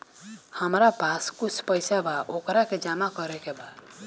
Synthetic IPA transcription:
həmɾapaskut͡ʃʰpəɪsabaʔokɾaked͡ʒamakɔɾɛkebad̪

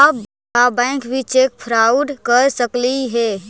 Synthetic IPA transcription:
a | abãɪ̃kbʱit͡ʃek̚pʰɾauɖkəɾsəkliɦe

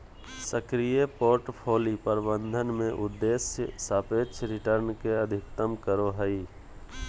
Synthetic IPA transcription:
səkɾijepoːɾʈpʰoːlipəɾbə̃nd̪ʱənmẽʔʊd̪ːeːsjəsaːpeːt͡ʃʰɾɪʈəɾnkeəd̪ʱɪkt̪əmkəɾoɦəi

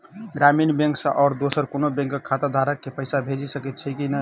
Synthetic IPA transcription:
ɡɾaminbẽŋksə̃ʔɔːɾd̪osəɾkonobẽŋkəkʰːat̪ad̪ʱaɾəkːepəjsabʱed͡ʒisəkɛt̪̚t͡ʃʰɛkinə

